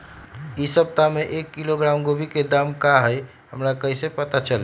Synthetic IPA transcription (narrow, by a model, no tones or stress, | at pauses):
isəb̚t̪ameʔekːiloɡɾamɡobʱiked̪amkaɦəj | ɦəmɾakəɦisepət̪at͡ʃəl